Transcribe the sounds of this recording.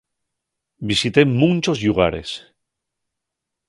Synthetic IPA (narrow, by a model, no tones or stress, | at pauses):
bisit̪e̞mũnt͡ʃo̞zʎuɣ̞aɾe̞̰s